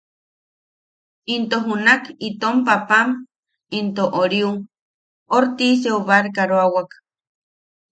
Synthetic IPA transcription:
int̪oɦunakit̪ompapam | int̪oʔoɾiu | oɾt̪is̬euβaɾkaɾoawak

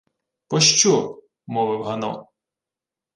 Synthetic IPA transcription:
pɔʃt͡ʃɔ | mɔʋɪwɦɐnɔ̰

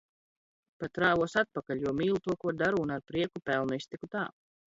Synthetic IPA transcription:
pat̪ːɾaːvuɔsat̪̚pakaʎʲjuɔmiːlˠut̪uɔkuɔɾd̪aɾuːnaɾpɾiɛkupɛlˠnist̪ikut̪aː

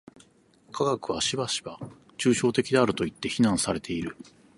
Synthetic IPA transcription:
kʰaɡakɯ̟β̞aɕibaɕi̥ba | t͡ɕɨːɕo̞ːt̪e̞kʲid̪e̞aɾɯ̟t̪o̞it̪ːe̞çinãɰ̃saɾe̞t̪ʰe̞iɾɯ̟

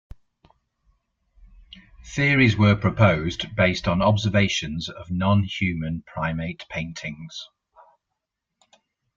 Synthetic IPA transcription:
θɪəɹɪzwəːpʰɹ̥əpʰəʊzbeɪstn̩ɒbzəveɪʃə̃nzəvnɒ̃nhjʉːmə̃npʰɹ̥aɪmeɪʔpʰẽɪ̃ntʰɪ̃ŋz̥

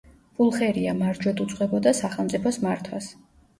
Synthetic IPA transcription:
pʼulˠχɛɾiamaɾd͡ʒwɛd̪ut̪sʼqʼɛbɔd̪asaχɛlˠmt̪sʼipʰɔsmaɾt̪ʰwas

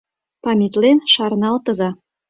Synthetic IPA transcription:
pɑmʲit̪lenʃɑɾnɑlt̪ɤ̆zɑ

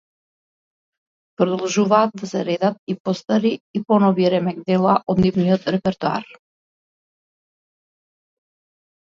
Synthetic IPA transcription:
pɾɔd̪ɔlˠʒuvaːt̪̚d̪asɛɾɛd̪at̪̚ipɔst̪aɾiipɔnɔviɾɛmɛɡ̚d̪ɛlˠaʔɔd̪nivniɔt̪ɾɛpɛɾt̪ua̰ɾ

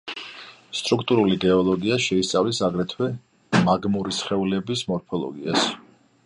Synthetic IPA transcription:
st̪ʼɾuk̚ʰt̪ʼuɾuliɡɛɔlˠɔɡiaʃɛist̪sʼa̰vlisaɡɾɛt̪ʰwɛ | maɡmuɾisχɛulɛbismɔɾpʰɔlˠɔ̰ɡias

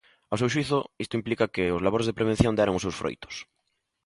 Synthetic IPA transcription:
aws̬ewʃwiθʊist̪oimplikakeozlaβoɾezðepɾeβ̞ẽn̟θjõnd̪aɾaŋosewsfɾo̰jt̪ʊ̥s

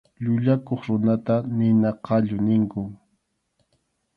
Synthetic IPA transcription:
ʎʊʎakoχɾʊnat̪anɪnaqʰɑʎʊnɪŋkʊ

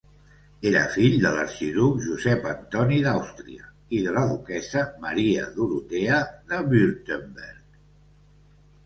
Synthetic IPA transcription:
eɾə̰fiʎd̪ələ̰ɾʃiðukʒuzɛpənt̪ɔniðawst̪ɾiə | iðələðukɛsəməɾiə̰ðuɾut̪eəðəβyɾt̪əmbɛɾk

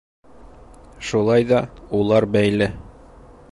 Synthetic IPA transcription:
ʃulˠɑjd̪ɒulˠɑɾbæjlɘ

